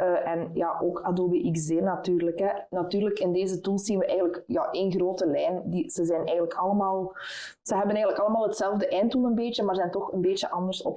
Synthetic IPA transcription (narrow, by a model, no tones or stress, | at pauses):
ʔɛnjaːʔoːkʰadoːbeʔɪkzeːrnatyːrləkɛnatyːrləkɪndeːzətulˠszinʋəʔɛːɣənləkja̰ːʔeːnɣroːtəlɛːjndiz̥əzɛjnɛːɣənləkʰɑlˠəmaːlˠ | z̥əɦɛbənɛːɣənləkɑlˠəmaːlˠɦətsɛlˠvdəʔɛːntulˠənbeːtəmaːrzɛːntɔxənbeːtəʔɑndərsɔ̰p